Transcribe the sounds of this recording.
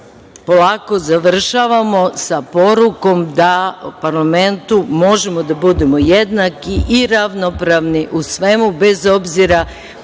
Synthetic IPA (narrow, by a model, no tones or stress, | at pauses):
po̞lˠaːko̞zaʋr̩ʃaʋamo̞sapo̞ɾuko̞md̪apaɾlame̞nt̪umo̞ʒe̞mo̞d̪abud̪e̞mo̞jed̪nakiʔiɾaʋnopɾaʋniʔusʋe̞mube̞zo̞bziɾa